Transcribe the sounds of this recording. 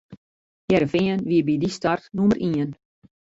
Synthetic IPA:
jɛɾəfiənʋiəbidistartnumərʔiən

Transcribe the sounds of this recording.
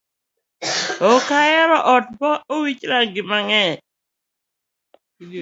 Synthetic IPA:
okajɛɾɔʔɔt̚bɔowit͡ʃɾaɡɪmaŋɛ

